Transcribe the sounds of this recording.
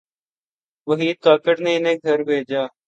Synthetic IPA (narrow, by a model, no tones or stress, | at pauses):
ʋəɦiːt̪aːkəʈnẽːɪneːɡʱəɾbʱeːd͡ʒaː